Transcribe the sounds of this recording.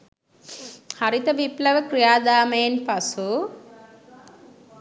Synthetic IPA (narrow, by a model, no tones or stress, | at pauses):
hɐɾit̪ɐʋiplɐʋɐkɾijaːd̪aːmeːnpɐsu